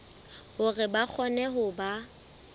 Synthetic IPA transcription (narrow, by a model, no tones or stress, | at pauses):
hʊrɪbak͡xʰɔnɛɦʊba